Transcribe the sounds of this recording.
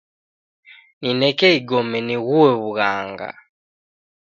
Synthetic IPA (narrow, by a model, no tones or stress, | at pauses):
ninɛkɛiɡɔmɛniɣuwɛβuɣaŋɡa̰